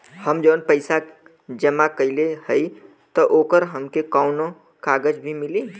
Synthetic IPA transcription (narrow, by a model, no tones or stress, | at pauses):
həmd͡ʒəːnpəɪsa | d͡ʒəmakəɪlehəi | t̪ɔʔoːkəɾɦəmkekaʊno | kaɡəd͡ʒbʱimili